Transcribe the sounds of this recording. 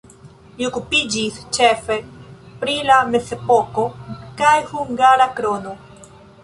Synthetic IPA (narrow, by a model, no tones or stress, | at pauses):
liokupid͡ʒist͡ʃefe̞pɾilame̞se̞po̞ko̞kajhuŋɡaɾakɾo̞no̞